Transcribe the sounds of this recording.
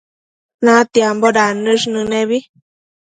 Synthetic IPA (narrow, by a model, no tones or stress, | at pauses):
nãt̪iamboɾanɨʂnɨnẽβi